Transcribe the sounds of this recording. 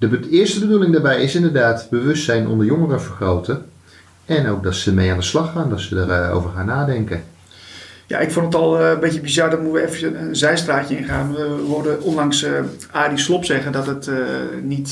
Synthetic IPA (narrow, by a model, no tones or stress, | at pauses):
dəbɪːɹstəbədulɪŋdaːɹbɛjɪsɪndəɹdaːtbəʋɵstsɛjnʔɔ̰ndəɹjoŋərəvəɹχrowtə | ɛnowk̚dɑtsəmejaːndəslɑχaːndɑtsədəɹo̰wvəɹχaːnaːdɛŋkən | ja̰ʔɪkfondətɔlˠbɪtəbizardɔtmuʋəɛfəənzɛjstraːcəɪnχaːnʋaʋəʋodəondɑŋsaːdislopsɛɣədɔtətnit